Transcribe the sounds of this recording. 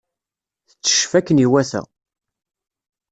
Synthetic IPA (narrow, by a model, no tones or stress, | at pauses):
θə̥t͡sːə̥ʃfækːəniwæθæ̰